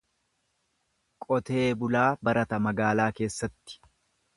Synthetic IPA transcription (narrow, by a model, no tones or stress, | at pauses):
kʼɔt̪e̞ːbʊlaːbɐɾɐt̪ɐmɐɡaːlaːke̞ːsːɐt̪ːɪ̥